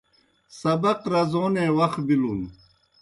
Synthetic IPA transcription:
sɐbɐqɾɐzoːneːwɐxbilun

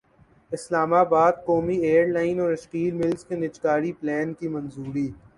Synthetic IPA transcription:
ɪslaːmabaːd̪̚kɔːmieːəɾlaːɪnɔːɾɐʃqiːlmɪlzkenɪt͡ʃkaːɽiplɛːnkimɐnzuːɾiː

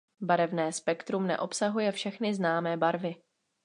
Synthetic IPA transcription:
baɾɛvnɛːspɛkt̪ɾumnɛ̰ʔo̞psaɦujɛfʃɛxnɪznaːmɛːbaɾvɪ

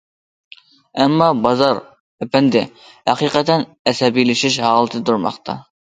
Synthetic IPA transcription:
ɛmːɑbɑzɑɾ | ɛpɛnd̪ɪ | hæqiːqət̪ɛn | ɛsɛbijlɪʃiʃɦɑːlˠɨt̪ʰɨt̪uɾmɑ̰χt̪ʰɑ̰

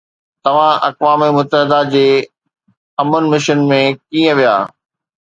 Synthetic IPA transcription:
t̪ɐʋ̤ãʔɐ̰kʋaːmimʊt̪ːəɦɪd̪ad͡ʑeː | ɐmənmɪʃənmẽkĩːə̃ʋija̰ː

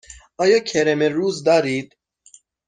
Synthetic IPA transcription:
ɑːjɑːkʰeɾemeɾuːzd̪ɑːɾid̪̥

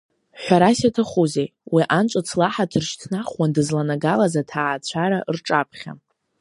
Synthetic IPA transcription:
ħᶣʷaɾasatʰaχuzejwiʔant͡ʃʷʼat͡sʰlaħatʰɨrʃtʰnaχwandɨzlanaɡalazatʰaːt͡ɕʷʰaɾaʔrʈ͡ʂʼapʰχʲa̰

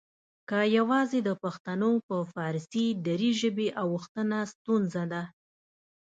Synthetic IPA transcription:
kəjawɑzed̪əpaxt̪anopəfɑɾsid̪aɾiʒəbeʔawəxt̪ənast̪unzad̪a

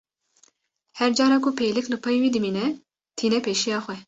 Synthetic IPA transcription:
hɛɾd͡ʒɑːɾɑːkʰʊpʰeːjlɨklɨpʰɑjwiːd̪ɨmiːnɛ | t̪ʰiːnɛpʰeːʃijɑːxʷwɛ

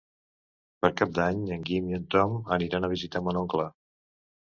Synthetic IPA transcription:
pəɾkap̚d̪aɲəŋɡimiənt̪ɔməniɾanəβ̞izit̪amənɔŋklə

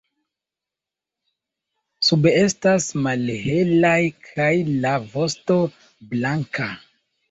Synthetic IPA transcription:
subeestasmalɦe̞lajkʰajlavo̞sto̞ | blaŋka

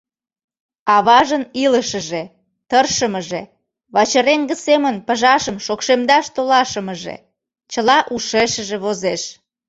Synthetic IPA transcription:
ɑβɑʒəniləʃə̆ʒe | t̪ərʃəməʒe | βɑt͡ɕəɾeŋɡə̆semənpəʒɑʃəmʃokʃemd̪ɑʃt̪olɑʃəməʒḛ | t͡ɕəlɑʔuʃeʃəʒeβozeʃ

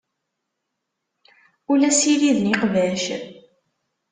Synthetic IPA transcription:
ulæsiliðniqvæʃ

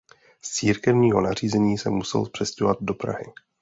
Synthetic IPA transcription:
st͡siːɾkɛvɲiːɦo̞nar̝iːzɛɲiːsɛmːusɛ̰lpr̝̥ɛscovad̪̚do̞pɾa̰ɦɪ̰

